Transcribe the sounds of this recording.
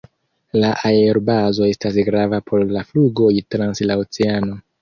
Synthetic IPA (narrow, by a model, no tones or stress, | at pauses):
laʔaeɾbazo̞e̞stas̬ɡɾavapʰo̞ɾlafluɡo̞jtɾanslaot͡seano̞